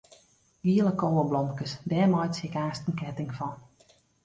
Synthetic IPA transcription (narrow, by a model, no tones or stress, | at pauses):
ʋiələkoːwəblɔmkəsdɛːmɔjtshɪkaːstən̩kɛtɪŋfɔn